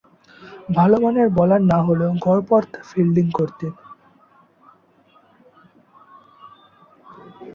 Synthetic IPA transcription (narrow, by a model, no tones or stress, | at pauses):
bʱalomaneɾbɔlannaɦoleoɡʱɔɾpɔɾt̪ʰfilɖiŋkoɾt̪in